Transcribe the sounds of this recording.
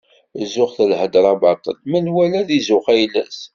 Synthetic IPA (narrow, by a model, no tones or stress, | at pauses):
zʊχθəlhəd̪ɾˤɑbɑt̪ˤə̰lmənwælæðizʊχæjlæ̰s